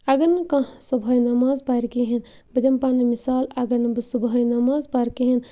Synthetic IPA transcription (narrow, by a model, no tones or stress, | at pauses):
ɐɡɐnɨkɐ̃subʱɐjnɐmaːzbaːɾkiɦin | bɐd̪ɐmpanɐmisaːlɐɡɐɾnɨbɨsubɦɐjnɐmaːzbaːɾkiɦin